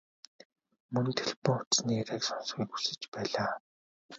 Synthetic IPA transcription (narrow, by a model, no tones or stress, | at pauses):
mɵnt̪ʰe̥ɮpʊŋʊt̪sniːɾeːksɔnsχiːkusɘ̆t͡ɕpæːɮaː